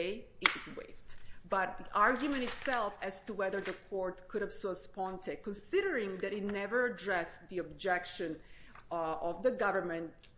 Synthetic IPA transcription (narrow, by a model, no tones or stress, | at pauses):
ɪɪɨzwḛɪftbʌt̪̚ʔaɹɡjumɛ̃ñtɨtsɛlˠfæz̥tuwɛðə˞ðəkʰɔɹtkʰʊɾɨv̥sspɔ̃ntʰɨkɔ̃nsɪɾə˞ɪ̃ŋðɨɾɨt̚ⁿnɛvə˞ɨdɹɛsðiɔb̚d͡ʒɛkʃɨ̃n | ɔvðəɡʌvə˞mɛ̃nt